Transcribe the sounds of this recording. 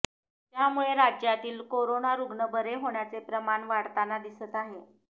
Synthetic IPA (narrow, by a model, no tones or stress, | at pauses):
t̪jamuɭeɾad͡ʑjat̪iːlkoɾonaɾuɡɳəbəɾeɦoɳjat͡sepɾəmaɳʋaɽt̪anad̪isət̪aɦe